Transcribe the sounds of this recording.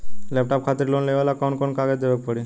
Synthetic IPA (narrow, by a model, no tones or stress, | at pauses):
lɛp̚ʈap̚kʰat̪iɾlonlebalakɔnkonkaɡed̪ebek̚pɔɽi